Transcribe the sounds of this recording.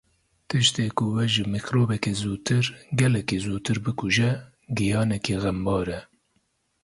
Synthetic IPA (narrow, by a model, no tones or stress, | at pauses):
t̪ɨʃt̪eːkʊwɛʒɨmixɾoːbɛkezuːt̪ʰɨɾɡɛlɛkeːzuːt̪ʰɨɾbɨkuʒɛ | ɡijɑːnɛkiːɣɛmbɑːɾɛ